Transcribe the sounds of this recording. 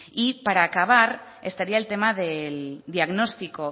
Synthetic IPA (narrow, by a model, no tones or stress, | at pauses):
ipaɾaːkaβ̞aɾ | e̞st̪aɾiaelt̪e̞maðe̞ld̪iaɣno̞st̪iko̞